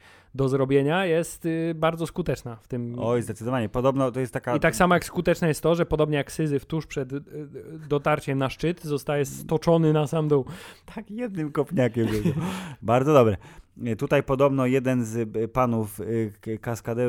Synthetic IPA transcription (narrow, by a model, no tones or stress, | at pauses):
d̪ɔzɾɔbʲjeɲajɛst̪baɾd̪zɔskut̪ɛt͡ʂnaft̪ɘmɔzd̪ɛt̪sɘd̪ɔvaɲɛpɔd̪ɔbnɔt̪ɔjɛst̪ːakait̪aksamajakskut̪ɛt͡ʂnɛjɛst̪ːɔʐɛpɔd̪ɔbɲɛjaksɘzɘft̪uʂpʂɛd̪ː | ɔt̪aɾt͡ɕɛmnaʂt͡ʂɘt̪zɔst̪ajɛst̪ɔt͡ʂɔnɘnasamd̪ɔwt̪ʰakjɛd̪̚nɘmkɔpʲɲakʲɛmjʲɛbaɾd̪zɔd̪ɔbɾɛt̪ut̪ajpɔd̪ɔbnɔjɛd̪ɛnzpanufkaskad̪ɛ